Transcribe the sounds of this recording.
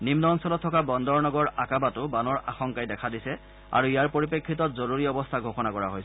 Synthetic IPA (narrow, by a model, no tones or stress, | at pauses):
nimnɔːnsɔlɔtʰːɔkabɔndɔɹnɔɡɔɹakabatʊbanɔɹaxɔŋkajdɛkʰadisɛ | a̰ɹuijaɹpoɹipekʰːitɔtzoɹuɹiɔbɔstʰaɡʱoxɔnakɔɹa̰ɦojsɛ